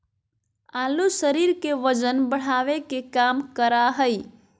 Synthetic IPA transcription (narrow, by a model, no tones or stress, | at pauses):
alusəɾiɾkeʋəd͡ʒənbəɽ̤aʋekekamkəɾaɦəj